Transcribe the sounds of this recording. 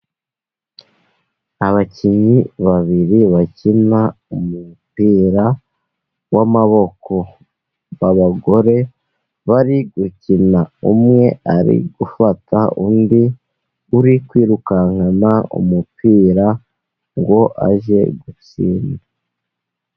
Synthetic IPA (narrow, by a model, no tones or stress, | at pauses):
aβaciɲiβaβiɾiβacina | umupiːɾa | wamaβo̞kʰo̞ | βaβaɡo̞ɾe̞ | βaɾiɡucinaumŋe̞aɾḭɡufatʰaʔundi | uɾikwiːɾukaŋanaṵmupiːɾa | ŋɡo̞ʔa̰ʒe̞̰ɡut͡siːna